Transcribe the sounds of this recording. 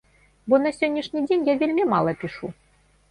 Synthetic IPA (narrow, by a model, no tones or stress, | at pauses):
bɔnɐsʲɔnʲːiʂnʲid͡zʲenʲjavʲelʲmʲimalˠɐpʲiʂu